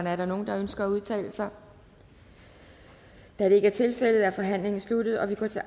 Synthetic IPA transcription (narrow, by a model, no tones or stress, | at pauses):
nəæɐɾ̥ɑ̈no̝ːn̩d̥ɑ̈ønsɡ̥ɐæuð̞ˠt͡sʰɛ̰ːləsɑ̈ɪ | d̥ædɾee̝ɡ̥əæɐt͡sʰe̝lfel̰ð̞̩ˠæɐfɒ̽ɦæn̰le̝ŋn̩slud̥ð̩ˠɒ̽ʋikʰɔt͡sʰe̝